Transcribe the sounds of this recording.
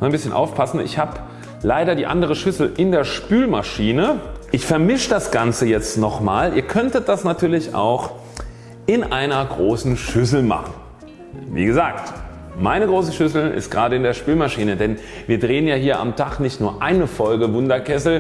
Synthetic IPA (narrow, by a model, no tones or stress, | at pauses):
nnbɪsçənʔa̰ʊfpʰasn̩ɪ̰çhaːb | laɪɾɐdiːʔa̰ndəʁ̞əʃʏsl̩ʔɪndeːɐʃpyːlmaʃiːnəʔɪçfɛɐmɪʃd̥asɡ̥ant͡səjɛt͡stnɔχmaːlʔiːɐkʰœntət̚d̥asnatʰyːɐlɪçʔa̰ʊx | ʔɪnʔaɪnɐɡʁoːsn̩ʃʏs̬l̩ma̰χn̩ | vḭːɡəzaːkt | maɪnəɡʁoːsəʃʏsl̩ɪ̰stɡ̥ʁaːdəɪndeːɐʃpyːlmaʃiːnədɛnviːɐdʁeːənjaːhiːɐʔa̰mtʰaχnɪçtnuːɐʔaɪnəfɔlɡəvʊndɐkʰɛsl̩